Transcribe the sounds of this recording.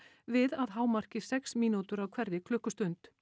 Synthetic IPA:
vɪðaðɦaːwmar̥cɪ̥sɛksmiːnut̪ʏɾawkʰvɛɾðɪkʰlʏhkʏst̪ʏnt̪

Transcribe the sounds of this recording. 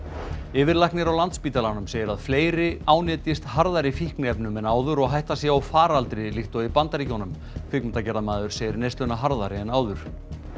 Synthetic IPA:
ɪːvɪɾlajhknɪɾawlant̪spiːt̪alanʏmseːjɪɾaðfleːjɾɪaːwnɪːt̪ɪst̪haɾðaɾɪfihknɪɛpnʏmɛnaːwðʏɾɔɣɦajht̪asjɛawfaːɾalt̪ɾɪliht̪owipant̪aɾicownʏm | fɪkmɛnt̪acɛɾðamaːðʏɾ̥seːjɪɾnejst̪lœnaɦaɾðaɾɪɛnaːwðʏɾ̥

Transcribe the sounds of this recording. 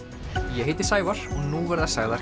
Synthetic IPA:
jɛɦeːjt̪ɪ̥saːjvaɾ̥ɔɣnuːvɛɾðasaːɣðaɾ̥

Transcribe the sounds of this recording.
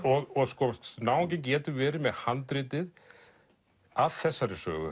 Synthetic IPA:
ɔɣɔskɔnaːwɪcɪnc̬ɛːt̪ʏvɛːɾɪmɛðhant̪ɾɪːt̪ɪð | aðθɛsːaɾɪsœ̰ːɣʏ̰

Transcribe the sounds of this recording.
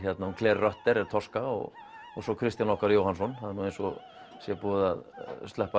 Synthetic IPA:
çjɛt̪naunkʰlɛːɾrœht̪ɛɾɛɾ̥t̪ʰɔskaɔ̰ɣ | ɔ̰ɣsɔkʰɾɪst̪janɔhkaɾjowhansɔnhaðɪɾnuːejnsɔ̰ | sjɛpɔːðaðst̪lɛhpa

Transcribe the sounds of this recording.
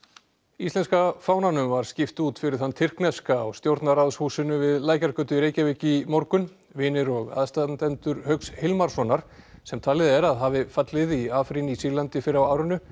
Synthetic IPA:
ist̪ɛnskafaːwnanʏmvaɾ̥scɪft̪uːt̪fɪɾɪɾ̥hanːt̪ʰɪr̥knɛskaːwst̪jowɾt̪naɾaðshuːsɪnʏvɪðlaːjkaɾkœːt̪ʏɾeːjcavɪːcɪmoɾkʏn | vɪːnɪɾɔɣa̰ðst̪ant̪ɛnt̪ʏɾhœkshɪlmaɾ̥sɔnaɾ̥sɛmt̪ʰaːlɪðɛɾaðɦaːvɪfat̪lɪðiaːfɾinisilant̪ɪfɪɾɪawaːwɾʏnːʏ

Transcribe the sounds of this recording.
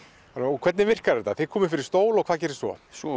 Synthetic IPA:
anɔkʰvɛt̪nɪvɪr̥kaɾɛɾt̪a̰θeðkʰɔːmɪfɪɾɪ̥ɾst̪oːwlɔɣkʰvaːðcɛːɾɪsvɔ̰sɔ

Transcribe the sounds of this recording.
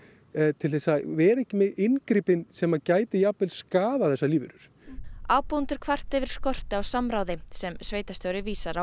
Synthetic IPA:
t̪ʰɪlθɛsːavɛːɾɛhcːɪmɛðʔɪnkɾiːpɪnsɛmaðcaːjt̪ɪjaːpɪlskaːðaθɛsːaliːvɪ̰ɾʏɾ̥ | aːwpownt̪ʏɾ̥kʰvar̥t̪ɪvɪɾ̥skɔr̥t̪ɪawsamɾaːwðɪsɛmsveːjt̪ast̪jowɾɪviːsaɾa

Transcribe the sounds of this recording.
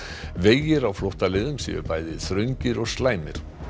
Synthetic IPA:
veːjɪɾawflɔwht̪alɪðʏmsḭʏ̰ɾpaːjðɪðθɾœɥɲcɪɾɔɣslaːjmɪ̰ɾ̥

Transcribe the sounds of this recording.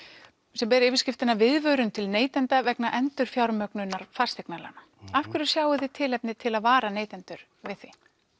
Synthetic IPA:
sɛmpɛːɾɪːvɪ̥ɾscɪft̪ɪnavɪðvœːɾʏnt̪ʰɪlneːjt̪ɛnt̪avɛknaʔɛnt̪ʏɾ̥fjawɾmœknʏnːaɾ̥fḁst̪ɛknala̰na | afkvʏɾʏ̥sjaːwʏðɪt̪ʰɪlɛpnɪt̪ʰɪlaðvaːɾaneːjt̪ɛnt̪ʏɾ̥ | vɪðθvi

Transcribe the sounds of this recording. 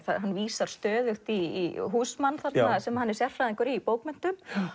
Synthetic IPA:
θaɦanːviːsaɾ̥st̪œːðʏxt̪iiɦuːsmanːθat̪asɛmahanːɛɾ̥sjɛr̥fɾaðɪŋkʏɾiːpoːwkmɛn̥t̪ʏm

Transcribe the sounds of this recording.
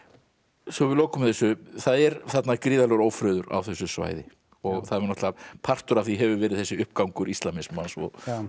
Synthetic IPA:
sɔvɪloːwkʏmɪθɛsːʏθaðɛɾθat̪nakɾiːðalɛɣɾoːwfɾœːðʏɾa̰wθɛsːʏsva̰ːjðɪ | ɔɣθaðɛɾnɔht̪lapʰar̥t̪ʏɾafθiɦɛvʏvɛːɾɪðθɛsːɪʏhpkawŋkʏɾist̪lamɪsmansɔ̰

